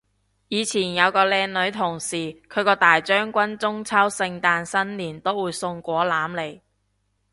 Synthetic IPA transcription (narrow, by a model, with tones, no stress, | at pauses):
jiː˨˧t͡sʰiː˨˩njɐ˨˧wkɔː˧lɛː˧nlɵ˨˧˥ɥt̪ʰʊ˨˩ŋsiː˨˩kʰɵ˨˧ɥkɔː˧t̪aː˨˩jt͡ʃœː˥ŋkʷɐ˥nt͡sʊ˥ŋt͡sʰɐ˥wsɪ˧ŋt̪aː˧nsɐ˥nliː˨˩nt̪o˥wuː˨˧jsʊ˧ŋkʷɔː˨˥laː˨˥mle˨˩j